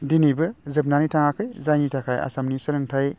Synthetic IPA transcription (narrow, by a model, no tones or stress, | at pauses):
dinibɯzɯp̚nanitʰaŋakʰɯjzajnitʰakʰaja̰samnisɯɾɯŋtʰaj